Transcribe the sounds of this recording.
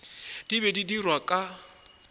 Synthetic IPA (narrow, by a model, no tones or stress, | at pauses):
d̥ibɛdidirwakʼa